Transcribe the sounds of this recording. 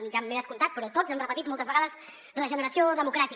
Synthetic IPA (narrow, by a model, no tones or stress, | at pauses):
nʒamːeəskulˠt̪at̪̚pɾɔt̪ozɛmrəpət̪it̪̚molˠt̪əzβəɣaðəz | ləʒənəɾəsioðəmukɾat̪i